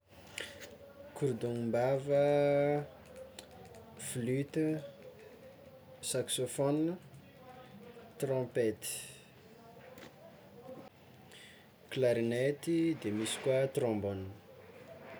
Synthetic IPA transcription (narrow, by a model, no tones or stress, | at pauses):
kʰuɾd̪uŋimbavə | flyt̪ə | saksofɔn | t̪rɔ̃pet̪i̥ | klaɾinɛt̪id̪emisi̥kwat̪rɔ̃mbɔn